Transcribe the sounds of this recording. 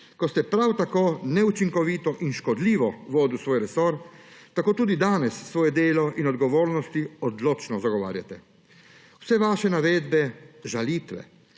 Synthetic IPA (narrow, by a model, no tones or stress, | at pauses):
kɔst̪ɛpɾawt̪akoːnɛut͡ʃiŋkɔʋiːt̪ɔʔinʃkɔd̪liːʋɔʋɔːd̪usʋoːjɾɛsoɾt̪akoːt̪uːd̪id̪aːnɛsːʋoːjɛd̪eːlɔʔinɔd̪ɡɔʋoːɾnɔst̪iɔd̪loːt͡ʃnɔzaɡɔʋa̰ːɾjat̪ɛ | w̥sɛʋaːʃɛnaʋeːd̪bɛʒalit̪ʋɛ̰